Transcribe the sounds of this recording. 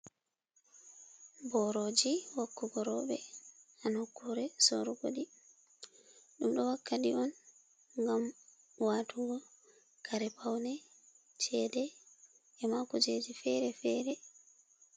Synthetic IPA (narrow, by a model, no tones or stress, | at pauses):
bɔɾod͡ʒiwakːuɡɔɾɔɓɛ̰anhokːuɾɛsɔ̰ɾɔko̰ɗi | ɗumɗɔwakːaɗiɔn | ŋɡam | waːtuɡɔ | kʰaɾɛpawnɛ | t͡ʃɛdɛ | ɛmakɔt͡ʃed͡ʒifɛɾɛfɛːɾɛ